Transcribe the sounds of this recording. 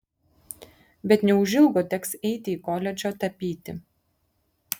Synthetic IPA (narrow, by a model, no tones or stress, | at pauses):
bʲɛt̪nʲɛʊʒʲɪlˠɡoːt̪ʲɛksɛɪt̪ʲɪiːkoːlʲɛd͡ʒʲoːt̪ɐpʲiːt̪ʲɪ